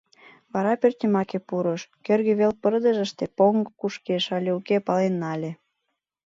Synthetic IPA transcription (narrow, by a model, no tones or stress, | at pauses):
βɑɾɑpørt̪ʲimɑkepuɾoʃkørɣeβelpərd̪ə̆ʒə̆ʃt̪epoŋɡkuʃkeʃɑlʲeukepɑlenːɑlʲe